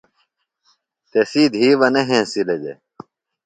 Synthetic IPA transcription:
t̪esiːd̪ʱiːʋɐneɦẽːsiled͡ʑḛ

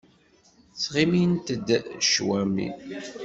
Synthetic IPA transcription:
θʁimint̪əd̪ʃwæmḭ

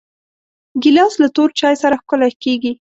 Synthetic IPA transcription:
ɡɪlɑslat̪oɾt͡ʃɑjsaɾaxkʊlakeɡi

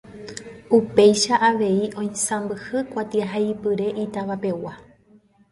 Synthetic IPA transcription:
upe̞jʃaʔaʋe̞iʔõ̞j̃sãmbɨhɨkʷat̪iaɦaipɨɾe̞ʔit̪aʋape̞wa

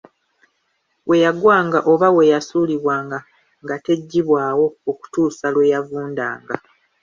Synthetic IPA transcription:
wʔe̞jaɡwaːŋɡaʔo̞βawe̞jasuːliβwaːŋɡa | ŋɡate̞ɟːiβwaːwo̞ːku̥tuːsalwejavuːnda̰ːŋɡa

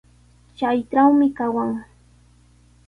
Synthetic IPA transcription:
t͡ʃajʈ͡ʂawmɪkawaŋ

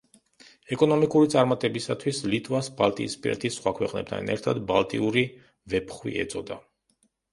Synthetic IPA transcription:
ɛkʼɔnɔmikʼuɾit̪sʼaɾmat̪ʼɛbisat̪ʰwislit̪ʼvasbalˠt̪ʼḭːspʼiɾɛ̰t̪ʰisːχwakʰwɛqʼnɛp̚t̪ʰa̰nɛ̰ɾt̪ʰad̪balˠt̪ʼiuɾi | vɛpʰχwḭʔɛ̰t̪sʼɔd̪a

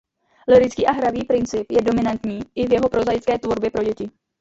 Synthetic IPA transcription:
lɪɾɪt͡skiːʔaɦɾaviːpɾɪnt͡sɪpjɛdo̞mɪnant̪ɲiːʔɪvjɛɦo̞pɾo̞zajt͡skɛːt̪vo̞ɾbjɛpɾo̞ɟɛcɪ

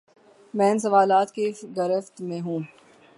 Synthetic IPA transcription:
mɛ̃ːns̬ɐʋaːlaːt̪keɡɐɾəft̪mẽɦũː

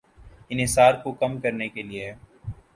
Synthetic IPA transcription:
ɪnɦɪsaːɾkokɐmkɐɾnekelieɦɛː

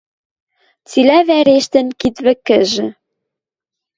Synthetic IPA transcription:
t͡silæβæɾeʃt̪ɘ̆nkit̪βɘ̆kɘ̆ʒɘ̆

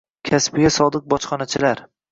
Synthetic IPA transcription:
kʲʰaspɪjʲasɒd̪ɨq̚bɒt͡ʃχɒnat͡ʃʰɪlaɾ

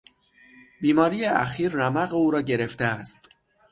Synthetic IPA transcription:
biːmɒːɾijeæ̰xiːɾːæmæɣeuːɾɒːɟe̞ɾe̞ft̪eæst̪

